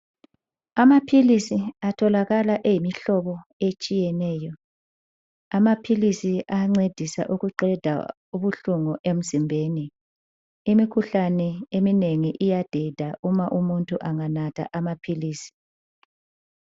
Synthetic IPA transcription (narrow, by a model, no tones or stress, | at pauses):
amapʰilisiatʰɔlaɣalaʔejimiɬɔβɔet͡ʃʼijɛnɛːjɔ | amapʰilisiaŋ͡ǀed̥ʱisa̰ʔuɣuǃɛd̥ʱa̰ | uβuɬuŋɔʔem̩zimbʱeːni | imikʰuɬanɛemineŋiʔijad̥ʱɛd̥ʱaʔumaʔumuntʼuʔaŋanatʰa̰ʔamapʰiliːsi̥